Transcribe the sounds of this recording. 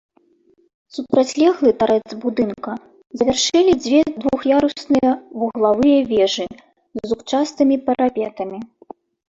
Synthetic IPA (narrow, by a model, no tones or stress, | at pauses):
supɾat͡sʲlʲɛɣlˠɨt̪aɾɛd̪zbud̪ɨnkɐ | zɐvʲarʂɛlʲid͡zʲvʲɛd̪vuxjaɾusnɨjɐvuɣlˠavɨjɐvʲɛʐɨ | zzut͡ʂast̪ɨmʲipɐɾapʲɛt̪ɐmʲi